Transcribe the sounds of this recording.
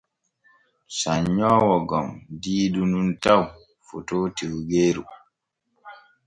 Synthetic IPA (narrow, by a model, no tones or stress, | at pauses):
saɲːɔːwɔɡɔmdiːdununtaw | fotoːtiwɡeːɾu